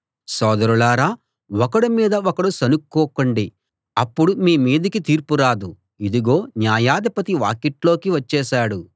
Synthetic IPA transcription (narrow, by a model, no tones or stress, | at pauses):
sɔːd̪ɐɾulaːɾaː | wɔkɐɽumiːd̪ɐɔkɐɽusɐnukːɔːkɐɳɖi | ɐpːuɽumiːmiːd̪ikit̪iːɾpuɾaːd̪u | id̪iɡo̞ːnjaːjaːd̪ɐpɐt̪iʋaːkeʈlo̞ːkiʋɐt͡ʃːɛːʃaːɽu